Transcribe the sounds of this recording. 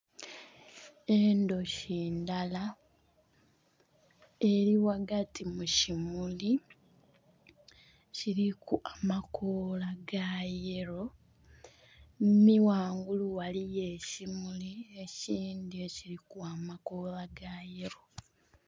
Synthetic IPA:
endo̞ʃiːndala | e̞ɾiwaɡatʰimucimuli | ciɾikuʔamakʰolaɡaje̞ɾo̞ | miwaːŋɡuluwalije̞cimulieciːndijociɾikuamakolaɡaje̞ɾo̞

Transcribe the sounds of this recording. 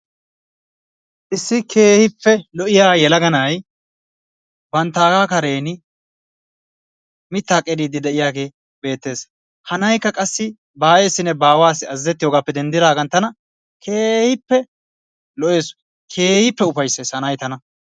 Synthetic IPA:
ʔɪsːɪkʰe̞ːhɪpːɛlɔʔɪjaːjɛlɐɡɐnɐj | bɐnt̪ːaːɡaːkɐɾe̞ːnɪ | mɪt̪ːaːkʼɛd̪iːd̪ɪd̪ɛʔɪjaːɡe̞ː | be̞ːt̪ːe̞ːs | hɐnɐjkːɐkʼɐsːɪ | baːjeːsːɪnɛbaːwaːsɪɐzːɛt̪ːɪjoɡaːpːɛd̪ɛnd̪ɪd̪aːɡɐnt̪ːɐnɐ | kʰeːhɪpːɛ | lɔʔe̞ːs | kʰe̞ːhɪpːɛʊfɐjsːe̞ːshɐnɐjt̪ɐnɐ

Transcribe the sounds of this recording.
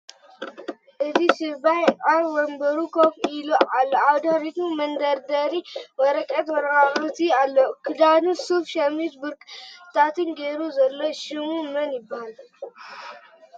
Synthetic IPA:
ʔɨzisɨbajʔʼaɾwɔmbɐɾukʰofiluʔalːoawd̪ɐhɾit̪umɐnd̪ɐɾd̪ɐɾimɐɾɐkʼɐt̪wɐɾaɾut̪ialːokʰɨd̪anusufʃɐmit̪buɾkʼt̪ʰat̪ɨnɡeɾuzɐlːoʃɨmumɐnjɪbːahal

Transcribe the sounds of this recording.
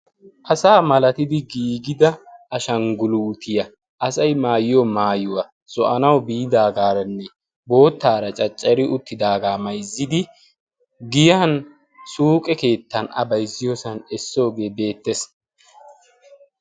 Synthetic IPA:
ʔɐsaːmɐlɐt̪ɪd̪ɪɡiːɡɪd̪ɐʔɐʃɐŋɡʊluːt̪ɪjɐ | ʔɐsɐjmaːjɪjomaːjʊwa | z̥ɔʔɐnɐwbiːd̪aːɡaːɾɐnːɛ | bo̞ːt̪ːaːɾɐt͡ʃʼɐt͡ʃʼːɐɾɪʔʊt̪ːɪd̪aːɡaːmɐjzːɪd̪ɪ | ɡɪjaːn | suːkʼɛke̞ːt̪ːɐnɐ̰bɐjzɪjosɐnɛsːo̞ːɡe̞ːbe̞ːt̪ːɛs

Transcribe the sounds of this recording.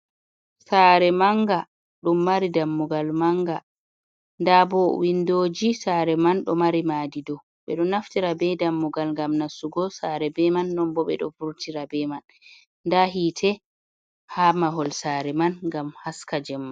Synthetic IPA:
saːɾɛmaŋɡa | ɗumːaɾidamːuɡalmaŋɡa | ndabɔwindoːd͡ʒisaɾɛmanɗɔmaɾimaːdidɔ | ɓɛ̰ɗɔnaftiɾabɛdamːuɡalŋɡamnasuɡɔsaɾɛbɛmanːɔmbɔɓɛ̰ɗɔ̰fuɾtiɾabɛmanː | daɦitʰɛ | hamaɦɔlsaːɾɛmanŋɡamhaskad͡ʒɛmːan

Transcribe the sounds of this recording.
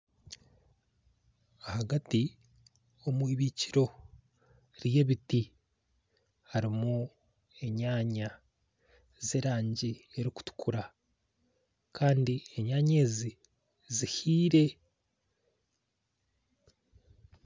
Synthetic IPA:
ahaɡati | o̞mwiːβiːciɾo̞ | ɾje̞βiti | haɾimu | e̞ɲaːɲa | ze̞ːɾaːɲɟie̞ɾiku̥tu̥kʰuɾa | kʰaːndieɲaːɲe̞ːzi | zihiːɾe̞

